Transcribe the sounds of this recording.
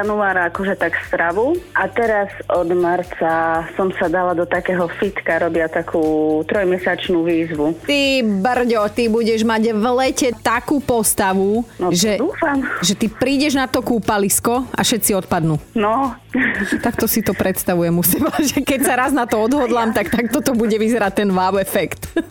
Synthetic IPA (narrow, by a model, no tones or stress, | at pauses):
januaːɾaakɔʒɛt̪akst̪ɾaʋuat̪ɛɾazɔd̪maɾt͡sasɔmsad̪alad̪ɔt̪akɛːɦɔfit̪kaɾɔbɪat̪akʰuːt̪ɾɔjmɛsat͡ʃnuːʋiːzʋut̪ibr̩ɟɔt̪ibuɟɛʒmaɟʋlɛcɛt̪akuːpɔst̪aʋunɔʒɛd̪uːfamʒɛt̪ipɾiːɟɛʒnat̪ɔkuːpaliskɔa̰ʃɛt̪t͡siɔt̪pad̪nuːnɔ | t̪akt̪ɔsit̪ɔpɾɛt̪st̪aʋujɛmusimaʒɛkɛcsaɾaznat̪ɔɔd̪ɦɔd̪laːmt̪akt̪akt̪ɔt̪ɔbuɟɛʋizɛɾat̪ːɛnʋaʊɛfɛkt̪